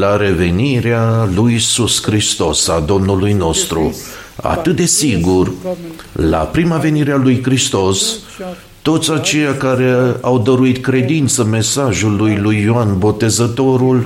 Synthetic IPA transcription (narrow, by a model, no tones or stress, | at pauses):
laɾe̞ve̞niɾealujisuskɾist̪o̞sad̪o̞mnulujno̞st̪ɾṵ | a̰t̪ɨt̪̚d̪e̞siɡur | la̰pɾimave̞niɾealujkɾist̪o̞s | t̪o̞t̪sʲat͡ʃe̞jakaɾe̞awd̪əɾuit̪kɾe̞d̪int̪səme̞saʒulːujlujːoanbo̞t̪e̞zət̪o̞ɾul